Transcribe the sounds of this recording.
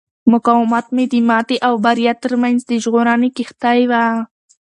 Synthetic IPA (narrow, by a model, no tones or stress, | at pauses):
mʊkawmat̪mɪd̪ɪmat̪ɪʔawbaɾjat̪ɪɾmajnst̪ɪʒɢoɾanɪkɪχt̪ajwa